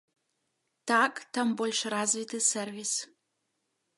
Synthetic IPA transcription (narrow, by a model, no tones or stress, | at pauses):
tʰakʼt̪ʰɐmbolʲʂrazvit̪ʰɨsɛrvʲis